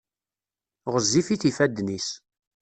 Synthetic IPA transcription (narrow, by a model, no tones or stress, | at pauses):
ʁəzːifiθifæd̪nis